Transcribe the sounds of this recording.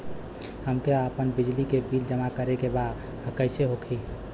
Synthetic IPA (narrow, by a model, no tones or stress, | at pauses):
həmkeəpənbid͡ʒlikebild͡ʒəmakəɾekebad̪ | ɦəkəɪseɦokʰi